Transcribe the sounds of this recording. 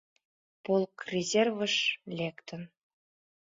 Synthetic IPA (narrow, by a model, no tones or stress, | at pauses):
polˠkrʲezʲervɤ̆ʂlʲekt̪ə̆n